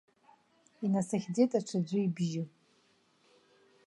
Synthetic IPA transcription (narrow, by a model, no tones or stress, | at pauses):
inasaχʲd͡zejtʼaʈ͡ʂʰad͡zʷʊibʒɪ